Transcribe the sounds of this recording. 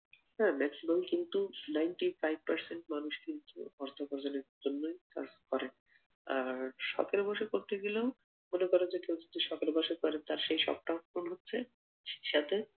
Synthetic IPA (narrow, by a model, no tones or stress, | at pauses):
hɛ̃mɛksimalkint̪unajɳʈifajb̚paɾseɳʈ̚manuʃkint̪ṵɔɾt̪ʰokɔɾd͡ʑoneɾd͡ʑonːojka̰skɔɾen | aʃɔ̰keɾbɔʃekoɾt̪eɡileo | monekɔɾend͡ʑekewd͡ʑod̪iʃɔkeɾbɔʃekɔɾet̪aɾʃejʃɔ̰b̚ʈakonɦotːɕʰe | ʃi̥ʃat̪e